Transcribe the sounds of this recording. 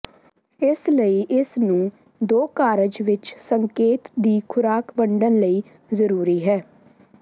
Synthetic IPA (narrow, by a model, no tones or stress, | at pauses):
ɪsləiːʔɪsnũː | d̪oːkaːɾəd͡ʒʋɪt͡ʃsəŋkeːt̪d̪iːkʰʊɾaːkbəɳɖənləiː | zəɾuːɾiːɦɛː